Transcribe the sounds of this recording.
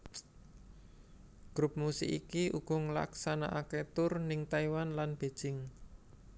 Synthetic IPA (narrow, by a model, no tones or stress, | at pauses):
ɡ̥ɾʊp̚musɪ̰kḭkiʔuɡ̥ɔ̤ŋəla̰ksana̰ʔaket̪ʊrnɪŋt̪aiwanlanb̥e̤̥ʒ̥ɪŋ